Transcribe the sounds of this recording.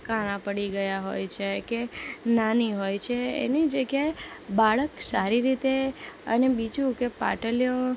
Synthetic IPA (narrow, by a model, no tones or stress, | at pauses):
kaɽ̃ãpəɽiɡəjaɦo̰jt͡ʃʰekenaniɦojt͡ʃʰeḛnid͡ʒəɡjaebaɭəksaɾiɾit̪eə̰nebid͡ʒũkepa̰ʈəljõ